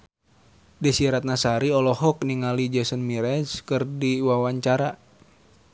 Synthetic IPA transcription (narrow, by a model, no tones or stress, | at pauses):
dɛsiɾat̪̚nasaɾiɔlɔɦɔk̚niŋalid͡ʒɛsənmiɾɛskɨrdiwawaɲt͡ʃaɾa